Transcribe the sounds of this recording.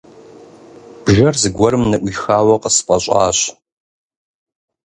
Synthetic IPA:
b̥ʒɐrzɨɡʷɐɾɨmnɐʔʷixaːwɐqʼəspʼɐɕʷʼa̰ːɕ

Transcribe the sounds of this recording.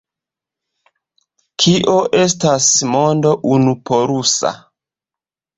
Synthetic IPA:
kʰiʔo̞ʔe̞s̬tasmo̞ndo̞ʔunupo̞ɾusa̰

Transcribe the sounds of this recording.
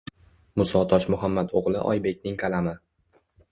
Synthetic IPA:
mʊsɒt̪ʰɒʃmʊɦamːat̪oʁlˠɪʔɒ̰jbe̞kʲnɪŋkʰalamɪ

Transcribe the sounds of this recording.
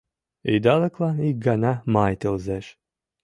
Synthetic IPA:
id̪alˠɛklˠaiɡanamajt̪ʲɨlˠzɛʃ

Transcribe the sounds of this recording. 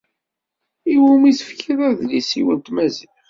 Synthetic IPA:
iwæmisə̥fkiðæðlisḭwə̰nt̪mæzi

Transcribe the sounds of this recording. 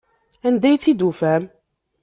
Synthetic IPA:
ænd̪æjt̪ːid̪ufæm

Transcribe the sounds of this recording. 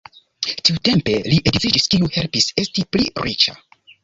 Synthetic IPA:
tiute̞mpe̞liʔedzid͡ʒiskiuhe̞lpise̞stiplḭɾit͡ʃa̰

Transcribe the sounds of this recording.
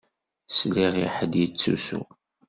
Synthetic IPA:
sliʁiħəd̪jit͡sːṵsṵ

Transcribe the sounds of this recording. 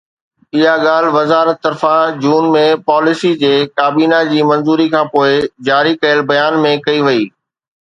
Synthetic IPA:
ɪɦaɠaːl̤ʋɐzaːɾət̪ːɐɾfãd͡ʑuːnmẽpaːlɪsid͡ʑeːkaːbiːnad͡ʑiːmɐ̃nzuːɾikʰãːpoːɪd͡ʑaːɾikɐjəlbɐjaːnmẽkɐiʋɐiː

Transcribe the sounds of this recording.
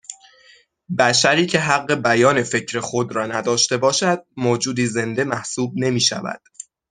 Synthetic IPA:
bæʃæɾiːcʰe̞ɦæɣːe̞bæjɒːne̞fe̞cʰɾe̞xo̞d̪ɾɒːnæd̪ɒːʃt̪e̞bɒːʃæd̪̥̚moːd͡ʒuːd̪iːze̞nd̪e̞mæhsuːb̚ne̞miːʃæ̰væ̰d̪̥

